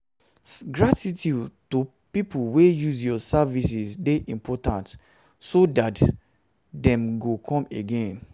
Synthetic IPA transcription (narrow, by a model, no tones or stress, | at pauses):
ɡɹatitʰjudtu | pipulwejuzjɔsavis̬isdeʔĩmpʰɔtãnt | sodat | dɛ̃mɡokʰɔ̃meɡẽn